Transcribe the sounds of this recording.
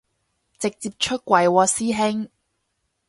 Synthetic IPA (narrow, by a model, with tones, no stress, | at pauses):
t͡sɪ˨k̚t͡siː˧˥p̚t͡ʃʰɵ˥t̚kʷwɐ˨˧jwɔː˧siː˥ɦɪ˥ŋ